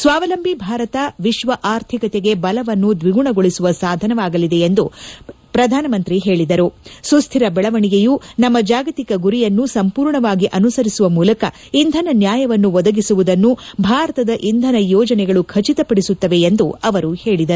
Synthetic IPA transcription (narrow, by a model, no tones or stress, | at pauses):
sʋaːʋɐlɐmbʱibʱaːɾɐt̪ɐʋiʃʋɐʔaːɾt̪ʰikɐt̪eɡe̞bɐlɐʋɐnːud̪ʋiɡuɳɐɡoɭisuʋɐsaːd̪ʱɐnɐʋaːɡɐlid̪e̞end̪u | pɾɐd̪ʱaːnɐmɐnt̪ɾiɦe̞ːɭid̪ɐɾusust̪ʰiɾɐbɛɭɐʋɐɳiɡejunɐmːɐd͡ʒaːɡɐt̪ikɐɡuɾijɐnːusɐmpuːɾɳɐʋaːɡiʔɐnusɐɾisuʋɐmuːlɐkɐ | ind̪ʱɐnɐnjaːjɐʋɐnːuʋɔd̪ɐɡisuʋud̪ɐnːubʱaːɾɐt̪ɐd̪ɐʔind̪ʱɐnɐjɔːd͡ʒɐnɛɡɐɭukʰɐt͡ʃit̪ɐpɐɽisut̪ːɐʋe̞end̪uɐʋɐɾuhe̞ːɭid̪ɐɾu